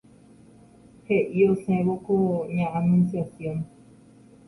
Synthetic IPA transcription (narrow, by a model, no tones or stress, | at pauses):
heʔiosẽβokoɲãʔãmĩnsasjõn